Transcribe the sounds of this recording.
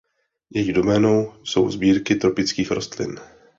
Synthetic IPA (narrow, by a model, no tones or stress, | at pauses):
jɛjɪdo̞mɛːno̞wso̞̰wzbiːɾkɪt̪ɾo̞pɪt͡skiːxɾo̞st̪lɪ̰n